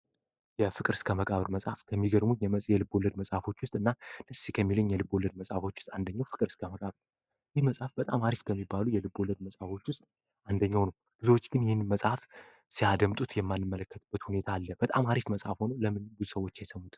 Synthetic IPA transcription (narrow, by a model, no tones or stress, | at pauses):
jɛfɨkʼɨɾɨskʰəməkʼaβɾməsʼafkʰəmːiɡəɾmunjɛməjɛlɨbːo̞lːəd̪məsʼafo̞t͡ʃːwʊst̪ʼɨnːad̪əsːikʰəmːilɨɲːjɛlɨbo̞lːəd̪məsʼafo̞t͡ʃːw̥st̪ʼand̪əɲːawfɨkʼɨɾɨskʰəməkʼaβɾ | jɪhməsʼafbət̪ʼamaɾifkʰəmːibːalujɛlɨbːo̞lːəd̪̚məsʼafo̞t͡ʃːwʊst̪ʼ | ʔand̪əɲːawnəw | ɡ̥ɨzowot͡ʃːɡɨnjɪhɪnːməsʼaf | siad̪əmt̪ʼut̪jɛmːanːɨmːələkːət̪ʰʼɨb̥ːət̪hune̞t̪ʰaːlːəb̥ət̪ʼa̰maɾifməsʼhafho̞nələmɨnɡuzusəwo̞t͡ʃːjajsəmːut̪ʰʼ